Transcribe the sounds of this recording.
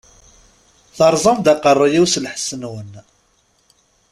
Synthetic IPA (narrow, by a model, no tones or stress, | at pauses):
θəɾˤzˤɑmd̪aqərˤːjiwslħə̥sənwən